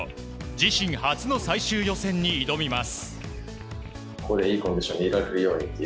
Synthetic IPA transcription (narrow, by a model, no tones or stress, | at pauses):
d͡ʑiɕĩɰ̃hat͡sɨno̞saiɕɨːjo̞sẽ̞ɲ̟ːiːd̪o̞mʲimasɨ̥ | kod̪eiːkond̪iɕoɲʲːiiɾakɯɾɯjo̞ːɲit̪ːe